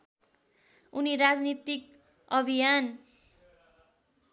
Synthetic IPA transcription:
uniɾad͡znit̪ik̚ | ʌbʱijan

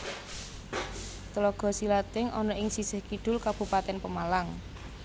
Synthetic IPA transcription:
t̪əlɔɡ̥ɔ̤silat̪ɪŋʔɔnɔʔɪŋsisə̤hkiɖ̪̥ʊ̤lkab̥upat̪ɛnpəmalaŋ

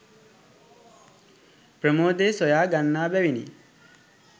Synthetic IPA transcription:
prəmoːd̪eːsojaːɡanːaːbɛʋinḭ

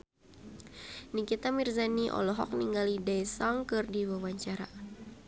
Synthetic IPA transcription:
nikit̪amirzaniʔɔ̰lɔɦɔ̰k̚niŋɡalidajsaŋkɨrdiwawaɲt͡ʃaɾa

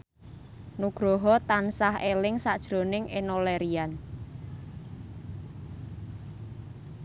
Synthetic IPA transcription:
nuɡ̥ɾɔɦɔt̪ansahelɪŋsad̥ʒ̥ɾonɪŋʔenoleɾian

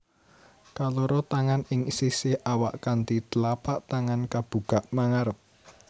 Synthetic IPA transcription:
kaloɾɔt̪aŋanɪŋsisɪhawaʔkant̪it̪əlapaʔt̪aŋankab̥ṳɡ̥a̤ʔmaŋaɾəp̚

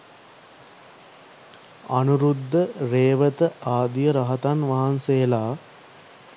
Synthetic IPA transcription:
ɐnuɾud̪ʱːəɾeːʋət̪əaːd̪ijəɾɐɦɐt̪anʋaɦansejəlaː

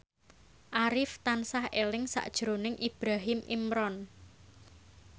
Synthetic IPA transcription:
ʔaɾɪft̪ansahelɪŋsa̰ʔd̥ʒ̥ɾonɪŋʔib̥ɾaɦɪmḭmɾɔn

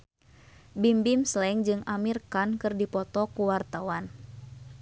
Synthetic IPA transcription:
bimbimslɛŋd͡ʒɨŋamirkankɨrdipɔt̪ɔkuwart̪awan

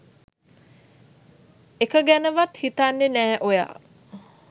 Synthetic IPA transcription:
ekəɡænəʋat̪hit̪anːenæːʔoja̰ː

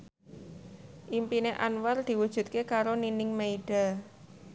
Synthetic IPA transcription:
ʔimpineʔanward̪̥i̤wud̥ʒ̥ṳt̪̚kekaɾoninɪŋmeiɖ̥a

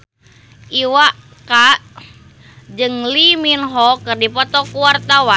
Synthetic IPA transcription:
ʔiwaʔ | kaʔ | d͡ʒɨŋliminɦɔkɨrdipɔt̪ɔkuwart̪awa

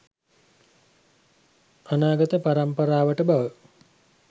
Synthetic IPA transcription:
anaːɡət̪əpaɾampəɾaːʋəʈəbaʋə

